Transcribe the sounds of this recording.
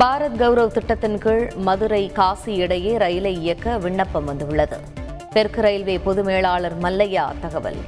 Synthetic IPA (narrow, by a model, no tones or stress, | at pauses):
bʱaːɾɐt̪̚ɡɐʋɾɐʋt̪ɪʈːɐt̪ːɪnkɯɻmɐðɯɾɐɪkaːsiɪɽɐjeːɾɐjɪlɐɪɪjɐkːɐʋɪɳːɐpːɐmʋɐnd̪ɯʋɯɭːɐðɯ̰ | pɛɾkɪɾɐjɪlʋeːpɔðɯmeːɭaːɭɐɾmɐlːɐja̰ːt̪ɐɣɐʋɐ̰l